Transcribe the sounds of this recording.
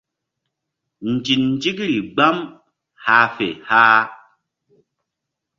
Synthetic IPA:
n̩˨d͡ʒi˨nn˦d͡ʒi˦kɾi˨ɡ͡ba˦m | ha˧˦fḛ˨haː˦

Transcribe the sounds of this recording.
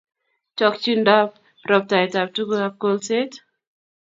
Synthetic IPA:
t͡ʃɔ˦kt͡ʃi˦nda˦p̚ | ɾɔ˨p̚ta˨jta˨p̚tu˦ɡo˦ap̚ko˦lset

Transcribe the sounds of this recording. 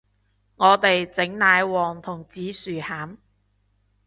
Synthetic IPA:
ŋɔː˨˧t̪e˨jt͡sɪ˨˥ŋnaː˨˧jwɔː˨˩ŋt̪ʰʊ˨˩ŋt͡siː˨˥syː˨˩haː˨˥m

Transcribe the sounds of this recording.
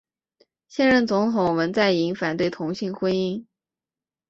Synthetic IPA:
ɕjɛ˥˧nɻə˥˩nt͡sʊ˧˥ŋt̪ʰʊ˨˩ŋwə˧˥nt͡sa˥˩ɪi˧˥ŋfa˨˩nt̪we˥˩ɪt̪ʰʊ˧˥ŋɕi˥˩ŋxwə˥ni˥ŋ

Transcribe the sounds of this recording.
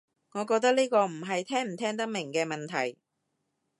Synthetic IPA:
ŋɔː˨˧kɔː˧k̚t̪ɐ˥k̚niː˥kɔː˧m̩˨˩ɦɐ˨jt̪ʰɛː˥ŋm̩˨˩t̪ʰɛː˥ŋt̪ɐ˥k̚mɪ˨˩ŋkɛː˧mɐ˨nt̪ʰɐ˨˩j

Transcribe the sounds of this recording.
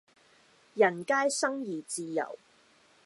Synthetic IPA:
jɐ˨˩nkaː˥jsɐ˥ŋjiː˨˩t͡siː˨˧jɐ̰˨˩w

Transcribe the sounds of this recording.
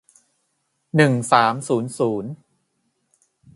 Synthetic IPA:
nɯ˨˩ŋsaː˩˦msuː˩˦nsuː˩˦n

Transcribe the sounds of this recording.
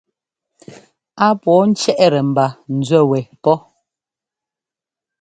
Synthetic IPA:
a˦pwɔ˨˦n̩˦t͡ʃɛ˦ʔɛ˦ɾɛ˨m̩˨ba˨n̩˨d͡zwɛ˦˨wɛ˨pɔ˦

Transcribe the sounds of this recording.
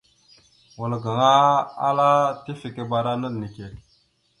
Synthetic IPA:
wu˨lɡa˨ŋa˦a̰˦la˦ti˦fi˨ke˦ba˨ɾa˦nə˦dni˨ke˨

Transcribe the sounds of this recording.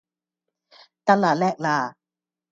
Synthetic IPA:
t̪a˥˩laː˨˩lɛː˥˩k̚laː˧˩

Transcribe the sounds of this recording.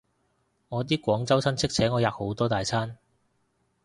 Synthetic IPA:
ŋɔː˨˧t̪̬iː˥kʷɔː˨˥ŋt͡sɐ˥wsʰɐ˥nt͡sʰɪ˥k̚t͡sʰɛː˨˥ŋɔː˨˧jaː˨k̚ho˨˥wt̪ɔː˥t̪aː˨jt͡sʰaː˥n

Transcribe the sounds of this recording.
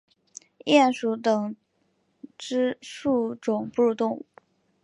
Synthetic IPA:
jɛ˥˩nʂu˧˥t̪ɤ˨˩ŋ | ʈ͡ʂɻ̩˥ʂu˥˩ʈ͡ʂʊ˨˩ŋpu˥˧ɻu˥˧t̪ʊ˥˧ŋu˥˩

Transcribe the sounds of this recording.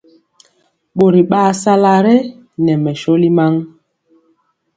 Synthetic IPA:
ɓo˨ɾi˨ɓaː˦˨sa˦la˦ɾɛ˦ | nɛ˨mɛ˨ʃo˦li˦ma˦ŋ

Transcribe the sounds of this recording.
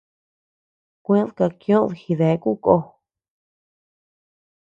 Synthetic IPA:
kʷẽ˦ðka˧kjõ˦ðhi˧ðe˨˦ku˦ko˧˨

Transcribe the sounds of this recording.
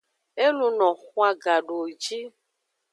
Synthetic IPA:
e˦lu˧nɔ̃˨xũ˦a˧ɡa˨ɖo˨d͡ʒi˦

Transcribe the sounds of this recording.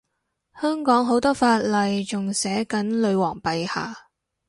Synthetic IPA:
hœː˥ŋkɔː˨˥ŋɦo˨˥wt̪ɔː˥faː˧t̚lɐ˨jt͡sʊ˨ŋsɛː˨˥kɐ˨˥nlɵ˨˧ɥwɔː˨˩ŋpɐ˨jha̰ː˨˩

